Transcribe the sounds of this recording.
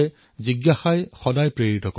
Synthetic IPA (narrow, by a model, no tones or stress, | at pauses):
ɛ | ziɡjaxajxɔdajpɹeɹitɔkɔ